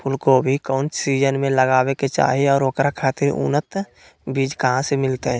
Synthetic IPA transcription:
pʰʊlkobʱikɔːnsiːd͡ʒənmẽləɡaːweket͡ʃa̰ːɦiɔːɾokɾakʰaːt̪ɪɾṵnət̪ | biːd͡ʒkəɦãsemɪlt̪eɛ̃ː

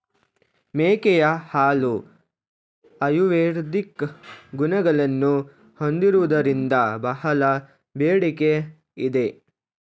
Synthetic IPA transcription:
meːkɛjɐhaːlu | ɐjuʋeːɾd̪ikɡunɐɡɐɭɐnːu | hond̪iɾuʋɐd̪ɐɾind̪ɐbɐɦɐlɐ | beːɽike | id̪e

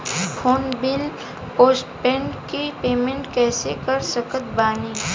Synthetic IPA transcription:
pʰoːnbɪl | poːsʈpɛ̃ːɳɖkipeːmẽɳʈkɛːsekəɾsəkət̪̚baːniː

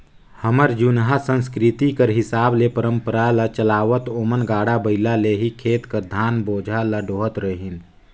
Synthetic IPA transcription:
həməɾd͡ʒunɦasə̃nskɾɪt̪ikəɾɦɪsaːblepəɾə̃mpəɾalət͡ʃəlaːʋət̪oːmənɡaːɽabəɪlaleɦikʰeːt̪kəɾd̪ʱaːnboːd͡ʒʱaləɖoːɦət̪ɾəɦin

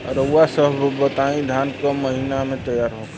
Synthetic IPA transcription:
ɾəasəɦbbət̪aːĩd̪ʱjaːnkamɐɦinamẽt̪əjaːɾɦo

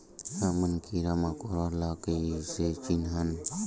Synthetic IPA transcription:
samənkiɾamakoɾalakəset͡ʃinɦan

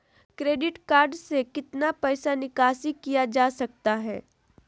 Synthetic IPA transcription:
kɾeːɖɪʈkaːɾɖsekɪt̪napɛːsanɪkaːsikijad͡ʒaːsɐk̚t̪aɦɛ̰ː

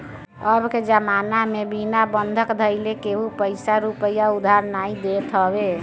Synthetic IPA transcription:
əbked͡ʒəmanamebinabənd̪ʱəkd̪ʱəɪlekeɦupəɪsaɾupəjaud̪ʱaɾnaid̪et̪ɦəbe

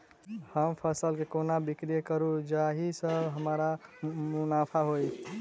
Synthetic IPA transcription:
həmpʰəsəlkekonabikɾijəkəɾud͡ʒaɦisəbɦəmɾamunapʰaɦoj

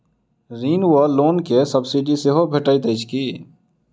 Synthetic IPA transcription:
ɾiːnwəloːnkesəbsiɖiseɦobʱeʈəit̪eɪt͡ʃʰkiː

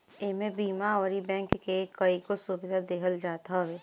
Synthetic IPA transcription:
emẽbiːmaɔːɾibɛ̃ːŋkːekəikosubɪd̪ʱad̪eːɦəld͡ʒaːt̪aʋeː

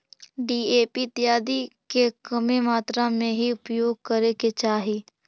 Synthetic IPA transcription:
ɖiːeːpit̪jaːd̪ikekəmemaːt̪ɾamẽɦiʊpjoːɡ̚kəɾeket͡ʃaːɦiː

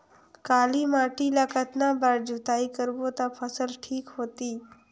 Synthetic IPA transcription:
kaːlimaʈilakət̪nabaɾd͡ʒut̪aikəɾbot̪apʰəsəlʈʰiːkɦoːt̪iː

